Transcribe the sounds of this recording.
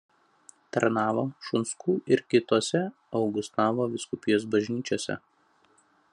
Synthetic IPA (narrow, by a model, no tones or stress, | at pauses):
t̪ɐɾnɑːʋoːʃʊnskʰuːʔɪɾkʲɪt̪oːsʲɛ | ɒʊɡʊst̪ɑːʋoːʋʲɪskʊpʲɪjoːs̬bɐʒʲnʲiːt͡ʃʲoɔsʲɛ̰